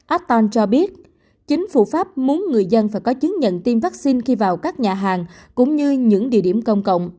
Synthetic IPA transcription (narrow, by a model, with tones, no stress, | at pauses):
ʔa˦˥t̚t̪aː˧nt͡ɕɔ˧ɓi˦˥ət̚ | t͡ɕï˨˦ŋ̟fu˧˩faː˦˥p̚mu˨˦ənŋɨ˨˩əjzə˧nfaː˧˩jkɔ˨˦t͡ɕɨ˨˦ŋɲə̰˧˨nt̪i˧mvaː˦˥k̚si˧nxi˧vaː˨˩wkaː˦˥k̚ɲaː˨˩ɦaː˨˩ŋkʊ̰˧˥ŋ͡mɲɨ˧ɲɨ̰˧˥ŋɗḭ˧˨əɗi˧˩əmkə˧wŋ͡mkə̰˧˨wŋ͡m